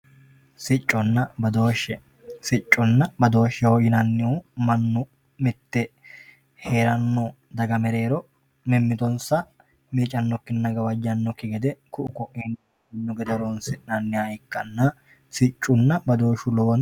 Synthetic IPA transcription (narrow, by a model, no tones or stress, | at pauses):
sɪt͡ʃʼːɔnːɐbɐd̪oːʃːɛ | sɪt͡ʃʼːʊnːɐbɐd̪o̞ːʃːɛwɔjɪnɐnːɪumɐnːʊ | mɪt̪ːɛ | he̞ːɾɐnːɔ | d̪ɐɡɐmɛɾe̞ːɾɔ | mɛmːɪt̪ɔnsɐ | miːt͡ʃʼɐnːɔkːɪnnːɐɡɐwɐd͡ʒɐnːɔkːɪɡɛd̪ɛkʊʔʊkɔʔɛnː | ɪnːɔɡɛd̪ɛɾɔnsɪnɐnːɪjaɪkːɐnːɐ | sɪt͡ʃʼːʊnːɐbɐd̪o̞ːʃʊlɔwɔn